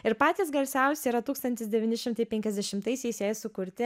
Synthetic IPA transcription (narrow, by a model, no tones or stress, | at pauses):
ɪɾpɑːt̪ʲiːsɡɐlʲsʲɛˑʊsʲɛiːɾɐt̪uːkst̪ɐnʲt̪ʲɪsd̪ʲɛʋʲiːnʲɪʃʲɪmt̪ɐɪpʲɛŋʲkʲɛzʲd̪ʲɛʃʲɪmt̪ɐɪsʲɛɪsjɛjsʊkʊɾʲt̪ʲɪ